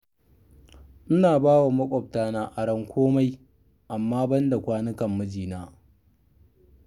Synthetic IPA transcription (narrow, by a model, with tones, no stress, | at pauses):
ʔɪ˦naː˨baː˦wa˨mɐ˦kʷʼɔ˨p̚taː˦naː˦ʔa˨ɽɐ˦ŋkʷʰoː˦ma˦j | ʔa˨mːaː˦bɐ˦nda˨kʷaː˦nɪ˦kɐ˨mːɐ˦d͡ʒiː˨naː˦